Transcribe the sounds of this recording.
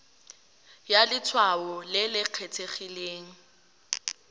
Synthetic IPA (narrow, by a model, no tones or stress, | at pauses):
jalɪt͡sʰwaɔlɪlɪq͡χʰet͡sʰeχileːŋ̩